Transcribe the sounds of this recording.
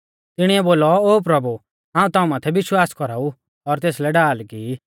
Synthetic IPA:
t̪ɪɽ̃iɛboːlɔoːp̬ɾɐbu | ɦãːũt̪aːũmaːt̪ʰɛʋɪʃwaːskɔɾaːu | ɔɾt̪eːslɛɖaːlki

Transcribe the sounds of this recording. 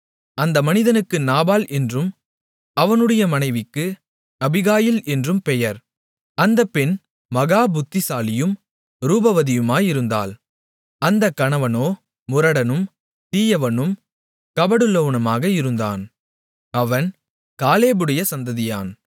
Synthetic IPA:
ɐnd̪ɐmɐnɪðɐnɯkːɯnaːbaːlʔɛndrɯm | ɐʋɐnɯɽɐjɐmɐnɐɪʋɪkːɯ | ɐbɪɣaːjɪlɛndrɯmpɛjɐɾ | ɐnd̪ɐpːɛn | mɐɣaːbʊt̪ːɪsaːlɪjɯm | ɾuːbɐʋɐðɪjɯmaːjɪɾɯnd̪a̰ːl | ɐnd̪ɐkːɐɳɐʋɐnoː | mʊɾɐɽɐnɯm | t̪iːjɐʋɐnɯm | kɐbɐɽɯloʋnɐmaːɣɐɪɾɯnd̪a̰ːn | ɐʋɐn | kaːleːbɯɽɐjɐsɐnd̪ɐðɪja̰ːn

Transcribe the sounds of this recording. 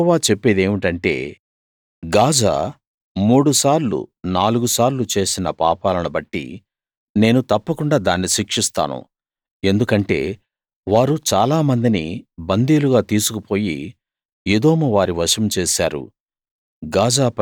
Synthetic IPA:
ʋaːt͡ʃepːeːd̪e̞ːmiʈɐɳʈe̞̰ː | ɡaːd͡ʒa̰ː | muːɽusaːɾlṵnaːluɡusaːɾlut͡ʃe̞ːsinɐpaːpaːlɐnubɐʈːḭ | ne̞ːnut̪ɐpːɐkuɳɖaːd̪aːnːiʃikʂist̪a̰ːnṵ | e̞nd̪ukɐɳʈe̞̰ː | ʋaːɾut͡ʃaːlaːmɐnd̪inḭbɐnd̪iːluɡaːt̪iːsukupo̞ːjḭ | jed̪oːmɐʋaːɾiʋɐʃɐmt͡ʃeːsa̰ːɾṵ | ɡaːd͡ʒaːp

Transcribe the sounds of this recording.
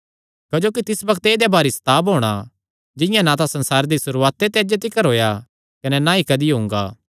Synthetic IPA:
kɐd͡ʒoːkit̪ɪsbɐkʰt̪eːd̪ebaːɾisɐ̥t̪aːbɦoːɽ̃a | d͡ʒɪ̃jãnat̪asɐ̃nsaːɾd̪isʊɾuaːt̪ːet̪eɐd͡ʒet̪̬ɪkəɾɦoːja | kɐnɛnaikɐd̪iɦʊ̃ŋɡa̰ː

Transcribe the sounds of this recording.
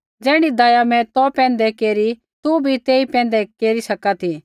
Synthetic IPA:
d͡ʒɛːɽ̃id̪aːjamɛ̃t̪ɔpɛ̃ːnd̪ɛkeːɾi | t̪ubʱit̪eːipɛ̃ːnd̪ɛkeːɾisɐkat̪ʰi

